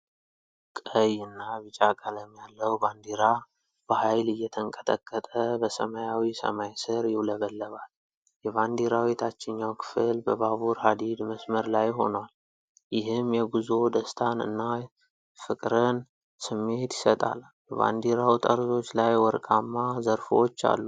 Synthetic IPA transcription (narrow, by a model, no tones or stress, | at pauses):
kʼəjɨnːaβɨt͡ʃʼakʼələmjalːəwband̪iɾa | b̥əhajlɨjːɛt̪ʰəŋkʼə̥t̪ʰəkʼːət̪ʼəbəsə̰majawisə̰majsɨɾjɪwləβəlːəβal | jɛvand̪iɾawit̪ʰat͡ʃːɪɲːawkʰɨ̥fɨlbəβaβuɾhad̪id̪məsməɾlajho̞nwal | jɪɦɨmjɛɡuzo̞d̪əst̪ʰanɨ̰nːa | fɨkʼɾən | sɨmːe̞t̪jɪ̥sət̪ʼa̰l | bəβa̰nd̪iɾawt̪ʼəɾzo̞t͡ʃːlajwɔɾkʼamːazəɾfot͡ʃːa̰lːu